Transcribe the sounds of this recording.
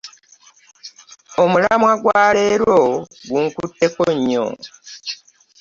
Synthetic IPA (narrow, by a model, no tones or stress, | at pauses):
omulamwaɡwaːle̞ːɾwo̞ɡuŋkutːe̞koɲːo̰